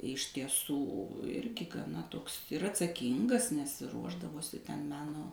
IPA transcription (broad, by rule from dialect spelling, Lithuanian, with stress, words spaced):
ɪʃ tʲiɛˈsuː ˈɪrʲɡʲɪ ɡɐˈnɐ ˈtoːks ɪr ɐtsɐˈkʲiːŋɡɐs nʲɛs ˈruɔʒdɐʋoːsʲɪ tʲɛn ˈmʲæːnoː